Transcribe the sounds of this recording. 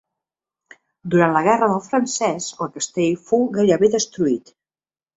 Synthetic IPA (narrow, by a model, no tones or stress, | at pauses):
d̪uɾant̪ləɣɛrəðəlˠfɾənsɛzəlˠkəst̪eʎfowɣajɾəβeðəst̪ɾuit̪